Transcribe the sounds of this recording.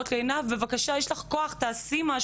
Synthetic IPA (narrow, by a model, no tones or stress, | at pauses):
t̪leːnavbevakaʃajeʃlaχkoaχt̪aːsimaʃ